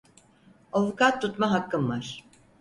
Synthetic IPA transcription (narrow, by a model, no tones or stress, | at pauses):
ovukat̪ʰːut̪maɦakːɯmvaɾ̥